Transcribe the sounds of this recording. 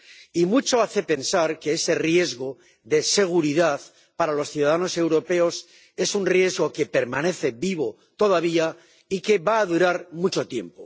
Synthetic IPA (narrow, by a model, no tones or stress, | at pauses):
imut͡ʃo̞aθe̞pe̞nsaɾke̞ese̞rje̞zɣo | ðe̞se̞ɣ̞uɾiðað | paɾalo̞sθjuðaðano̞se̞wɾo̞pe̞o̞s | e̞sunrje̞zɣo̞ke̞pe̞ɾmane̞θe̞biβ̞o̞ | t̪o̞ðaβ̞ia | ike̞βaːðuɾaɾmut͡ʃo̞t̪je̞̰mpo